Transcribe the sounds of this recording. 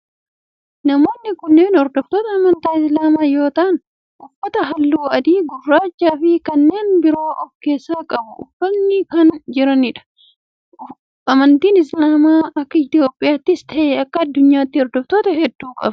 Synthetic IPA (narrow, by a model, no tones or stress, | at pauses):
nɐmo̞ːnːɪkʊnːe̞ːnɔɾd̪ɔft̪oːt̪ɐːmɐnt̪aːɪslaːmaːjo̞ːt̪ɐːn | ʔʊfːɐt̪ɐɦɐlːuːɐd̪iːɡʊrːaːt͡ʃːaːfɪkɐnːe̞ːnbɪɾo̞ːʔɔfke̞ːsːaːkʼɐbʊʊfːɐnːɪkɐnd͡ʒɪɾɐnɪᶑɐ̥ | ɐmɐnt̪iːnɪslaːmaːɐkːɐɪt̪jo̞ːpʼːɪjaːt̪ːɪst̪ʰɐʔeɐkːɐːd̪ːʊɲːaːt̪ːɪɔɾd̪ɔft̪oːt̪ɐɦɛd̪ːuːkʼɐ̰b